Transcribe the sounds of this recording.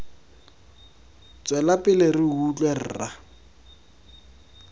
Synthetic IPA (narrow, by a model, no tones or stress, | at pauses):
t͡sʼwɛlapʼɪlerɪɦut͡ɬʼwer̩ra